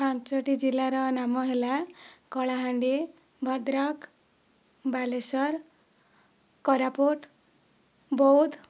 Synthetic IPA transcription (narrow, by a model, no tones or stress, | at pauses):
pãnsʌʈid͡zilːaɾʌnamʌɦelakʌɭaɦãɳɖi | bʱʌd̪ɾak | balesʌɾ | kʌɾapoʈ | bɔud̪